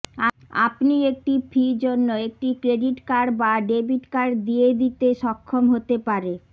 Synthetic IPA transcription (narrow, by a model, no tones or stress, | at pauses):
a | a̰pniek̚ʈipʰid͡ʑonːoek̚ʈikɾeɖiʈkaɾbaɖebiʈkaɾd̪ijed̪it̪eʃɔkʰːomɦot̪epaɾe